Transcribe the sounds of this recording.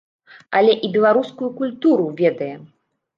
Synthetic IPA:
ɐlʲɛʔibʲɛlˠaɾuskujukulʲt̪uɾuvʲɛd̪ɐjɛ

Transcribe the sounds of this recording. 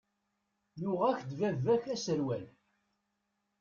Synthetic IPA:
jʊʁæçd̪vævːæçæsəɾwæl

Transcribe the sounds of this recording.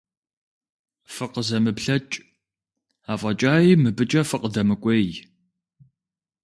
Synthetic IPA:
fɨqəzɐmɨpɬɐt͡ʃʼ | aːfʼɐt͡ʃʼaːjiːmɨbɨt͡ʃʼɐfɨqʼədɐmɨkʷʼej

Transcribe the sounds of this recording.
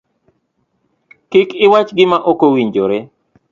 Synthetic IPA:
kɪkɪwat͡ʃɡɪmaʔokowiɲd͡ʒoɾe

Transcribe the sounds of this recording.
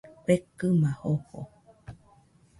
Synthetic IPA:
pekɨmãhoho̰

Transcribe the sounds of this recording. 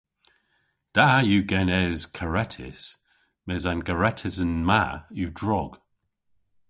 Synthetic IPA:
d̥ajuːɡɛnɛzkʰəɹɛtʰɪ̰s | mɛzanɡəɹɛtʰɪzənmajudɹɔɡ̥

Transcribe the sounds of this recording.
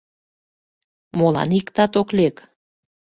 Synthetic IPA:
molɑ̰nikt̪ɑt̪oklek

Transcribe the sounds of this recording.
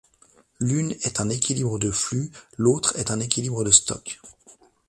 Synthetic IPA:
lynɛt̪ɛ̃nekʲilibʁəd̪əflylot̪χɛt̪ɛ̃nekʲilibʁəd̪əst̪ɔ̰k

